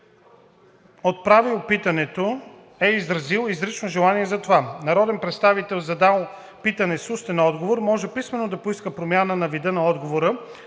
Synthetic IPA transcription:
ot̪̚pɾavilˠpit̪ɐnɛt̪o | ɛizɾɐzilˠizɾit͡ʃnoʒɛlˠaniɛzɐt̪ovanɐɾɔd̪ɛnpɾɛt̪st̪avit̪ɛlˠzɐd̪alˠ | pit̪ɐnɛsust̪ɛnɔd̪ɡovoɾmɔʒɛpismɛnod̪ɐpoiskəpɾomʲjanənɐvid̪ənɐɔd̪ɡovoɾə

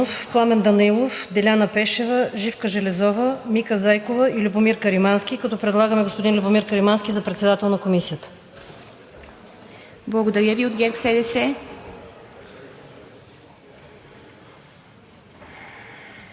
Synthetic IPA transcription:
ofplˠamɛnd̪ɐnilˠofd̪ɛlʲanəpɛʃɛvəʒifkəʒɛlɛzɔvəmikəzajkovəilʲubomiɾkəɾimansk̟ʲikɐt̪ɔpɾɛd̪lˠaɡəmɛɡospod̪inlʲubomiɾkəɾimanskʲizɐpɾɛt̪sɛd̪at̪ɛlˠnɐkomisijət̪ə̥ | blˠɐɡod̪ɐɾʲjəviod̪ɡʲɛksɛd̪ɛsɛ

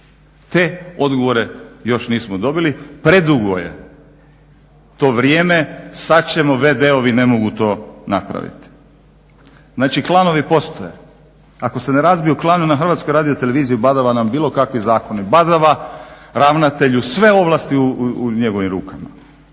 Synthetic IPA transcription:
t̪e̞o̞d̪ɡoʋo̞ɾe̞jo̞ʃniːsmod̪o̞bilipɾe̞d̪uɡojḛ | t̪o̞ːʋɾjeːme̞sat͡ɕe̞moʋed̪eoʋine̞mo̞ɡut̪o̞ːna̰pɾa̰ʋḭt̪i̥ | znaːt͡ʃiklˠaːno̞ʋipo̞st̪ojḛ | ako̞se̞neɾazbijuklˠaːnunaxr̩ʋaːt̪skojɾaːd̪ijot̪e̞le̞ʋiːzijubad̪aʋanambiːlˠo̞kakʋizaːko̞nibad̪aʋaɾaːʋnat̪e̞ʎusʋe̞o̞ʋlˠast̪iuɲe̞ɡo̞ʋimɾuːkama̰

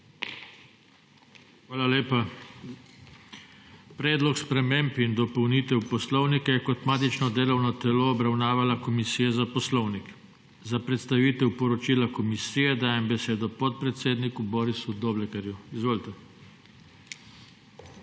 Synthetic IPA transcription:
xʋaːlaleːpa | pɾɛːd̪lɔkspɾɛmeːmpind̪ɔpɔwniːt̪ɛwpɔslɔwnikajɛkɔt̪maːt̪it͡ʃnɔd̪eːlɔwnɔt̪ɛloːbɾawnaːʋalakɔmisiːjɛzapɔslɔwnik | zapɾɛt̪st̪aʋiːt̪ɛwpɔɾɔt͡ʃiːlakɔmisiːjɛd̪aːjɛmbɛseːd̪ɔpɔt̪̚pɾɛt̪seːd̪nikubɔːɾisud̪oːblɛkɛɾjuizʋoːlit̪ɛ

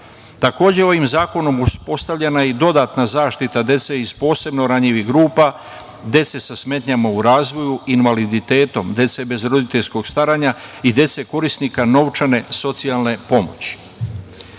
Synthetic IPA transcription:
t̪ako̞ːd͡ʑeo̞ʋimzaːko̞no̞muspo̞st̪aʋʎe̞naid̪o̞d̪at̪nazaːʃt̪it̪ad̪e̞t̪se̞iz̥po̞ːse̞bno̞ɾaɲiʋixɡɾuːpa | d̪je̞t̪se̞sasme̞t̪ɲamauɾaːzʋo̞juinʋalid̪it̪e̞ːt̪o̞md̪je̞t̪se̞be̞zɾo̞d̪it̪eʎsko̞ɡ̥st̪aɾaɲa | id̪je̞t̪se̞ko̞ɾisnikano̞ʋt͡ʃane̞so̞t̪sialˠne̞po̞mo̞̰t͡ɕi̥

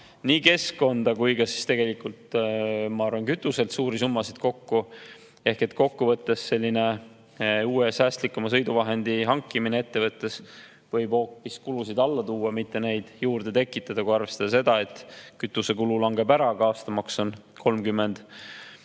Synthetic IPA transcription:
niːke̞skko̞nd̪̥ɑkujkɑsi̥st̪e̞ɡe̞likult̪mɑɑrvɑnkyt̪ːˑuse̞lt̪suːɾisumːɑsid̪̥ko̞kːu | e̞hke̞t̪ˑko̞kːuvɤt̪ːe̞sːe̞lʲːine̞ | uːesæːst̪likːˑumɑsɤjd̪uvɑɦe̞nd̪̥iɦɑŋkːˑiminee̞t̪ːe̞vɤt̪ːˑe̞s | vɤ̞jb̥ho̞ːpːˑiskulusid̪ɑlːɑt̪uːɑmit̪ːe̞ne̞jd̪̥juːrd̪̥e̞t̪e̞kːˑit̪ːˑɑd̪̥ɑkujɑrvest̪ɑd̪̥ɑs̬e̞d̪ɑe̞t̪ːˑkyt̪ːˑuse̞kululɑŋɡe̞bæɾɑɡ̥ɑɑːst̪ɑmɑkso̞n | kʰo̞lmkymːe̞nd̪̥

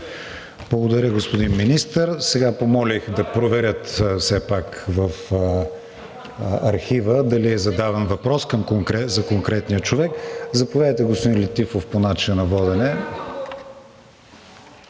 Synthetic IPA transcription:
blˠɐɡod̪ɐɾʲəɡospod̪inminist̪əɾsɛɡapomɔlixd̪ɐpɾovɛɾʲət̪fsɛpakvəf | ɐɾxivəd̪ɐliɛzɐd̪avɛnvɐpɾɔskɐmkoŋkɾɛzɐkoŋkɾɛt̪nijət͡ʃovɛkzɐpovʲjad̪əjt̪ɛɡospod̪ĩnlit̪ifofponat͡ʃinɐnɐvɔd̪ɛnɛ

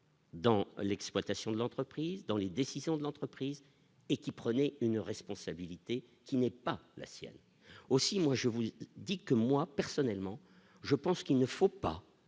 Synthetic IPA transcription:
d̪ɑ̃lɛksplwat̪asjɔ̃d̪əlɑ̃t̪χəpχizd̪ɑ̃led̪esizjɔ̃d̪əlɑ̃t̪χəpχiz | ekʲipχənɛynʁɛspɔ̃sabilit̪e | kʲinɛpala̰sjɛ̰n | osimwaʒəvud̪ikəmwapɛʁsɔnɛlmɑ̃ | ʒəpɑ̃skʲilnəfopa̰

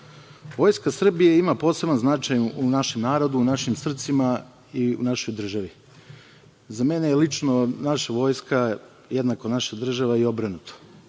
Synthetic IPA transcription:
ʋo̞jskasr̩bijeimapo̞ːse̞banznat͡ʃajunaʃe̞mnaːɾod̪uːnaʃimsr̩t̪sima | iṵnaʃo̞jd̪r̩ʒaʋi | zamenejelit͡ʃnonaʃaʋo̞ːjska | jed̪nakonaʃad̪r̩ʒaʋaio̞bɾanut̪o̥

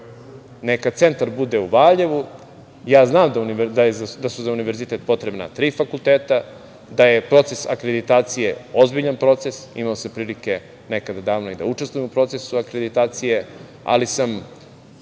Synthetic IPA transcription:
nekat̪se̞nt̪aɾbud̪euʋaːʎeʋu | jaːznaːmd̪aunid̪ad̪asuzauniʋe̞ɾzit̪et̪̚po̞t̪ɾe̞bna̰t̪ɾiːfakult̪eːt̪a | d̪ajepɾo̞t̪se̞sa̰kɾed̪it̪aːt̪sijeozbiʎanpɾo̞t̪se̞sḭmaosapɾiːlike̞ | ne̞kad̪ad̪aːʋnoid̪a̰uʈ͡ʂest̪vujemupɾo̞t̪sesuakɾed̪it̪aːt̪sije̞ | a̰lisam

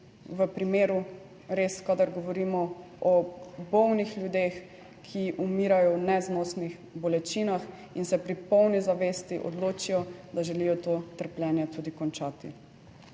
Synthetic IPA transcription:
ʋəpɾimeːɾu | ɾeskad̪aɾɡɔʋɔɾiːmɔ | ɔbɔwnixlʲjud̪eːx | kʰiʔumiːɾajɔwnɛznɔːsnix | bɔlɛt͡ʃiːnax | insɛpɾipɔwnizaʋeːst̪iʔɔ̰d̪loːt͡ʃijɔd̪aʒɛlijɔt̪oːt̪əɾpljɛːnjɛt̪uːd̪ikɔnt͡ʃaːt̪ḭ

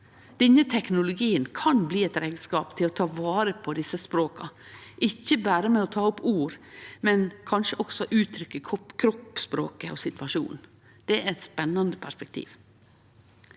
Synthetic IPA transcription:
d̪̥ɛɲət̪ʰɛknʊlʊɡiːənkʰɑnbliːɛt̪ɾeːɡ̪skɑːpt̪ʰɪlot̪ʰɑːʋɑːɾəpʰɔd̪ɪsəspɾoːkɑʔɪçːəbæːɾəmɛɔt̪ʰɑːʊpuːɾmɛnkʰɑnʂəʔɔksɔʔʉːt̪ʰɾʏkːəkʰɔkʰɾɔpːspɾo̰ːkəʔo̰sɪt̪ʋɑʂṵːnn̩ | d̪̥ɛɾɛt̪spɛnːɑnd̪əpʰæʂpɛk̚t̪ʰḭːʋ

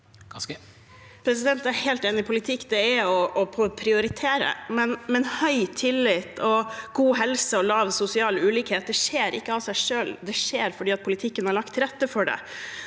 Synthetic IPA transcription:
pʰɾɛsɪd̪ɛnt̪æɾhɛːlt̪eːnɪɪpʰʊlɪt̪ʰɪkːd̪ɛɛɔɔpʰɔpʰɾɪʊɾɪt̪ʰeːɾə̰mɛnmɛnhœʏt̪ʰɪlːɪt̪ːɔɡuːɦɛlsəɔlɑːʋsʊsɪɑːlʉːliːkheːt̪̚d̪ɛʂeːɾʔɪ̰kːəɑʋsæɪʂøːld̪ɛʂeːɾfɔɖiːɑt̪̚pʰʊlɪt̪ʰɪkːənhɑɾɭɑkt̪ʰɾɛt̪ːəfɔɖɛ̰

